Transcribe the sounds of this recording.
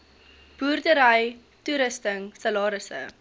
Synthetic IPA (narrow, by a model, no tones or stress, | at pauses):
b̥uːrdəɾɐj | tuɾəstəŋsɐlɑːɾəsə̰